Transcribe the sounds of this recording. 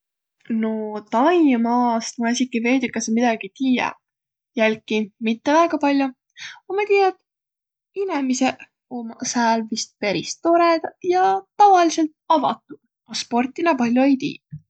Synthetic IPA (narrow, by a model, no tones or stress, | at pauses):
not̪ɑjmɑːst̪mɑisʲikːˑiveːd̪ikːˑɑsmid̪ɑɡ̥it̪iːjɛ̰ | jælkimit̪ːe̞væːɡ̥ɑpɑlʲjo | omɑt̪iːjɑd̪̥ | inemise | omɑsæːlvist̪̚peɾist̪o̞ɾed̪̥jɑt̪ɑvɑlise̞lt̪̚ɑvɑ̰t̪ːˑud̪̥ | kospo̞rt̪ːˑinɑpɑlʲjoejt̪ḭː